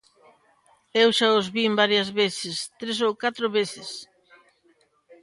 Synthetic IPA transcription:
ewʃaozβimbaɾjɐzβeθɪst̪ɾesowkat̪ɾoβeθɪs

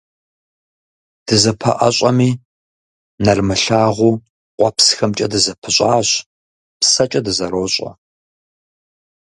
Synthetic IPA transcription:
d̥ɨzɐpʰɐ̰ʔɐ̰ɕʷʼɐmiː | nɐrmɨɬaːʁʷuː | qʷɑpsxɐmt͡ʃʼɐdɨzɐpʰɨɕʷʼaːɕ | psɐt͡ʃʼɐdɨzɐɾoːɕʼɐ̰

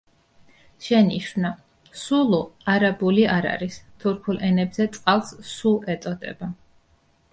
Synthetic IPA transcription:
ʃɛniʃvna | sulˠuaɾabuliaɾa̰ɾist̪ʰuɾkʰulʔɛnɛbzɛt̪sʼqʼalˠssulˠɛt̪ʼɔd̪ɛ̰ba

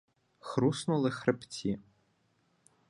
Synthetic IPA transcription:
xɾusnʊlˠɪxɾɪpt͡sʲi

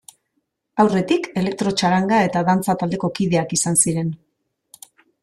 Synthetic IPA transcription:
awre̞t̪ike̞le̞k̚t̪ɾo̞t͡ʃaɾaŋɡae̞t̪aðant͡sat̪ald̪e̞ko̞kiðe̞akisansiɾe̞n

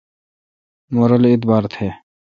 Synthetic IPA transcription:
moɾəlit̪baːɾt̪ʰe

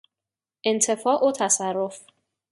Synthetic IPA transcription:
ʔent̪ʰe̞fɒːʔot̪ʰæsærːof

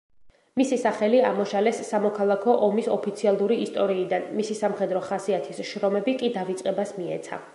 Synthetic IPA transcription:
misisaχɛlia̰mɔʃalɛsːamɔkʰalˠakʰɔʔɔmisɔpʰit̪sʰialˠuɾiːst̪ʼɔɾiːd̪anmisisamχɛd̪ɾɔχasiat̪ʰisʃɾɔmɛbikʼid̪avit̪sʼqʼɛbasmiɛ̰t̪sʰa̰

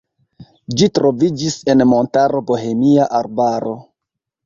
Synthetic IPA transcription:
d͡ʒitɾo̞vid͡ʒise̞nmo̞ntaɾo̞bo̞ɦe̞miaʔaɾbaɾo̞

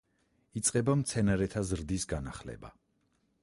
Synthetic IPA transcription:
it̪sʼqʼɛbamt̪sʰɛnaɾɛt̪ʰazɾd̪isɡanaχlɛ̰ba̰

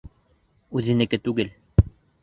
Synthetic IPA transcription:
ʉðɘ̆nɘ̆kɘt̪ʉɡɘl

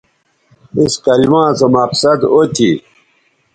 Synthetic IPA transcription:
iskɐlimãːsɐmɐqsɐd̪ot̪ʰi

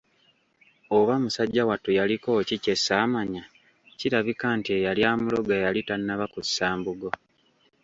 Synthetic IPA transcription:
oβamusaɟːawatujaliko̞cice̞sːaːmaɲa | ciɾaβikaːntie̞jaljaːmulo̞ɡajalitanːaβakusaːmbuɡo

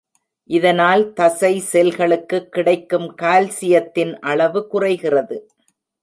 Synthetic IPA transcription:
ʔɪðɐnaːlt̪ɐsɐɪsɛlɣɐɭɯkːɯkːɪɽɐɪkːɯmkaːlsɪjɐt̪ːɪnʔɐɭɐʋɯkʊrɐɪɣɪrɐðɯ

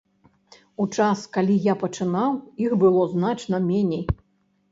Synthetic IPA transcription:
ut͡ʂaskalʲijapɐt͡ʂɨnawixbɨlˠɔznat͡ʂnɐmʲenʲej

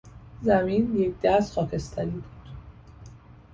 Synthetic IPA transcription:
zæmiːnje̞cd̪̥æst̪xɒːcʰe̞st̪ʰæɾiːbuːd̪̥

